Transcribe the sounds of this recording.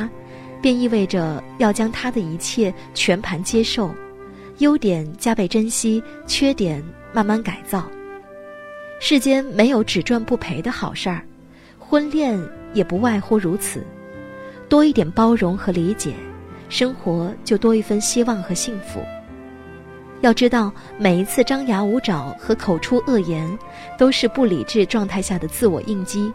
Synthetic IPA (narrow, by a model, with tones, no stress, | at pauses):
pjɛ˥˧ni˥˧we˥˩ɪʈ͡ʂə˩jɑ˥˩ʊt͡ɕjɑ˥ŋt̪ʰa˥d̪ə˨i˧˥t͡ɕʰjɛ˥˩ | t͡ɕʰɥɛ˧˥npʰa˧˥nt͡ɕjɛ˥ʂo˥˩ʊ | jo˥ʊt̪jɛ˨˩˦nt͡ɕja˥pe˥˩ɪʈ͡ʂə˥nɕi˥ | t͡ɕʰɥɛ˥t̪jɛ˨˩n | ma˥˧nma˥˩nka˨˩ɪt͡sɑ˥˩ʊ | ʂɻ̩˥˩t͡ɕjɛ˥nme˧˥ɪjo˧˥ʊʈ͡ʂɻ̩˨˩ʈ͡ʂwa˥˧npu˥˩pʰe˧˥ɪd̪ə˧xɑ˨˩ʊʂə˞˥˩ | xwə˥nljɛ˥˩njɛ˨˩pu˧˥wa˥˧ɪxwɔ˥˩ɻu˧˥t͡sʰɹ̩̰˨˩˦ | t̪wɔ˥i˥˩t̪jɛ˨˩npɑ˥ʊɻʊ˧˥ŋxɤ˧˥li˧˥t͡ɕjɛ̰˨˩˦ʂɤ˥ŋxwɔ˧˥t͡ɕjo˥˩ʊt̪wɔ˥i˥˩fə˥˧nɕi˥wɑ˥˩ŋxɤ˧˥ɕi˥˩ŋfṵ˧˥˦ | jɑ˥˩ʊʈ͡ʂɻ̩˥t̪ɑ˥˩ʊ | me˨˩ɪi˧˥t͡sʰɹ̩˥˩ʈ͡ʂɑ˥ŋja˧˥u˧˥ʈ͡ʂɑ˨˩˦ŋxɤ˧˥kʰo˨˩ʊʈ͡ʂʰu˥ʔɤ˥˩jɛ˧˥n | t̪o˥ʊʂɻ̩˥˧pu˥˩lḭ˨˩ʈ͡ʂɻ̩˥˧ʈ͡ʂwɑ˥˧ŋt̪ʰa˥˧ɪɕja˥˩d̪ə˩t͡sɹ̩˥˩wɔ̰˨˩ʔi˥˩ŋt͡ɕi˥